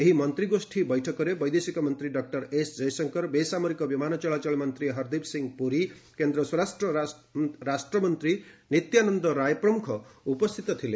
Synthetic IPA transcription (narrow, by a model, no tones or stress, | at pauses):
eɦimʌnt̪ɾiɡosʈʰibɔjʈʰɔkɔɾebɔjd̪esikɔmʌnt̪ɾiɖɔk̚ʈʌɾesd͡ʒʌjsʌŋkɔɾbesamɔɾikɔbimanɔt͡ʃɔɭat͡ʃɔɭmʌnt̪ɾiɦʌɾd̪ipsiŋɡpuɾikend̪ɾʌswɔɾasʈɾɔ | ɾasʈɾɔmʌnt̪ɾinit̪janɔnd̪ɔɾajpɾɔmukʰɔupɔst̪ʰit̪ɔt̪ʰile